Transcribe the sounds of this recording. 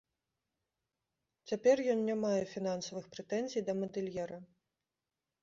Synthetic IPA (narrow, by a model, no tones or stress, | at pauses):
t͡sʲapʲɛrjɔnnʲamajɛfʲinansɐvɨxpɾɛt̪ɛnzʲijd̪ɐmɐd̪ɨlʲjɛɾɐ